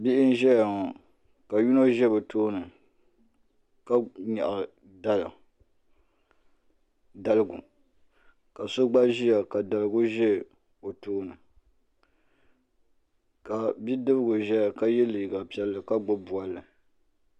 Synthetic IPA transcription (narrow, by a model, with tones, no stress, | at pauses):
bi˦ʔɪ˦n˦ʒɛ˦ja˨ŋɔ˨ | ka˨ju˦no˦ʒɛ˦bɛ˨toː˦nɨ˨ | ka˦ɲɛ˨ʔa˨ | da˦la̰˨ | da˨lɨ˦ɡʊ̰˨ | ka˨so˦ɡ͡ba˦ʒi˦ja˨ka˨da˨lɨ˨ɡʊ˦ʒɛ˦˨ | o˨toː˦nɨ˨ | ka˨bi˦dɨ˦bɨ˦ɡʊ˨ʒɛ˦ja˨ka˦jɛ˦li˨ɡa˨pi˦ɛ˦lːɨ˨ka˦ɡ͡bo˦bu˨a˨lːɨ˨